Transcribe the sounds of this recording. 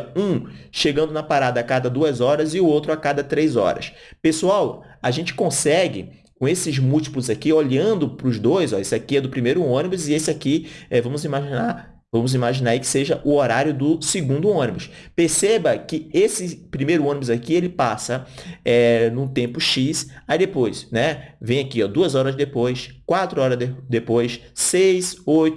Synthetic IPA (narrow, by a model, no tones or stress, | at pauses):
ũʃeɡɐ̃nd̪ʊnɐpaɾad̪ɐːkad̪ɐd̪uɐzɔɾɐzɪʊowt̪ɾʊakad̪ɐt̪ɾejzɔ̰ɾɐ̰s | pesuaw | aʒẽnt͡ʃɪ̥kõsɛɡɪ̰ | kõesɪzmuwt͡ʃi̥plʊzakioʎɐ̃nd̪ʊpɾʊzd̪ojzɔesɪakiɛd̪ʊpɾimejɾʊõnibʊzɪesɪakiɛvɐ̃mʊzimaʒina | vɐ̃mʊzimaʒinaɾaikɪ̥seʒɐʔʊoɾaɾjʊd̪ʊsɪɡũd̪ʊõnibʊs | peɾsebɐkɪesɪpɾimejɾʊõnibʊzakielɪpasɐɛnʊ̃t̪ẽmpʊʃisaid̪epojsnɛvẽj̃akiɔd̪uɐzɔɾɐzd̪epojskwat̪ɾʊɔɾɐd̪epojsː | ejsojt̪ʊ